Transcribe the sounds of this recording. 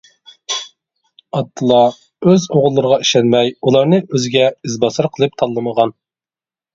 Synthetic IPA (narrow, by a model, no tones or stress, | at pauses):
ɑt̪ʰːɨlˠɑ | øzoʁʊlˠːɨɾəʁɑiʃɛnmɛjulˠɑɾnɨʔøzɪɡʲɛizbɑsɨɾqʰəlˠɨp̚t̪ʰɑlˠːɨməʁɑn